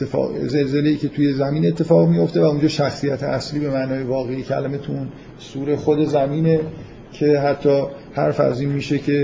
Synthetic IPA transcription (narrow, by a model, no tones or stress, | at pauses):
ze̞lze̞leiːcʰe̞t̪ʰuje̞zæmiːne̞t̪ʰːe̞fɒːɣmijo̞ft̪e̞væund͡ʒɒːʃæxsijæt̪ʰeʔæsliːbe̞mæːnɒːjevɒːɣejecʰæ̰læme̞t̪ʰuʔun | suːɾe̞xod̪e̞zæmiːne̞ | cʰe̞ɦæt̪ʰːɒː | hæ̰ɾfæ̰ziːnmiːʃecʰe̞